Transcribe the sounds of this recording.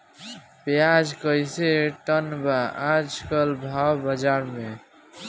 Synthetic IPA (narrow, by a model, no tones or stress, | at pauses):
pjad͡ʒkəjseʈənbaad͡ʒkəlbʱawbəd͡ʒaɾme